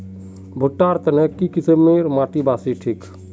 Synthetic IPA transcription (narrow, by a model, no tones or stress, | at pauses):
bʱʊʈːaːɾt̪ɐnekikɪsəmːeːɾmaːʈibaːsiʈʰiːk